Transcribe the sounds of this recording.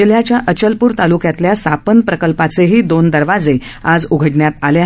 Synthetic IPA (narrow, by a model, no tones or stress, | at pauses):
eljat͡ɕjaʔət͡ɕəlpuːɾt̪alukjat̪ljasapənpɾəkəlpat͡seɦiːd̪ond̪əɾʋad͡zead͡zuɡʱəʈɳjat̪alja